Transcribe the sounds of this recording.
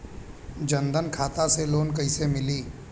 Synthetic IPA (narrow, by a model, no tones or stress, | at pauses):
d͡ʒə̃nd̪ənkʰaːt̪aseloːnkɐɪsemɪliː